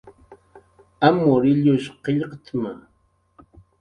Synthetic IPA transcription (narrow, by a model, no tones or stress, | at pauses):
amʊɾɪʎʊʃqeʎqt̪ʰmaŋ